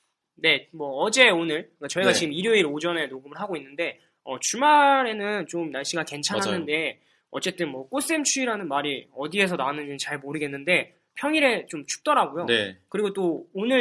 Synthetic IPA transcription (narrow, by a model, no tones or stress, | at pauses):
ne̞mwʌːd͡ʑe̞onɯɭk͈at͡ɕʌiɡat͡ɕiɡɯmiɾjoiɾod͡ʑʌne̞noɡɯmɯɭɦaɡoinːɯnde̞ | ʌt͡ɕumaɾe̞nɯnt͡ɕomnaɭɕ͈iɡake̞nt͡ɕʰanɦanɯnde̞ | ʌt͡ɕ͈e̞t͈ɯnmwʌk͈os͈emt͡ɕʰuiɾanɯnmaɾiʌdie̞sʰʌnaanɯɲit͡ɕaɭmoɾɯɡe̞nːɯnde̞ | pʰjʌŋiɾe̞t͡ɕomt͡ɕʰu̥k̚t͈ʌɾaɡojonekɯɾiɡot͈oːnɯɭ